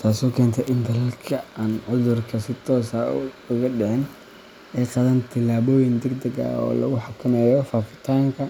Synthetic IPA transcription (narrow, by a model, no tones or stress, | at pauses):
t̪ʰaːsɔːkʰɛːnt̪ʰɛʔɪnd̪ɐlɐlkʰɐaːnʕʊðʊrkʰɐsɪt̪ʰɔːsɐʊɣɐɖɛʕɛn | ɛːqɑðɐnt̪ʰɪlaːβɔːjɪnd̪ɛɡd̪ɐɡɐ̰ɔ̰ːlɐ̰ɣʊħɑkʰɐnɛjɔfaːfɪ̥t̪ʰaːŋkʰɐ